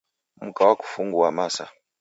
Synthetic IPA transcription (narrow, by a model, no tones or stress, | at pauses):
mukawaku̥fuŋɡuwamasa̰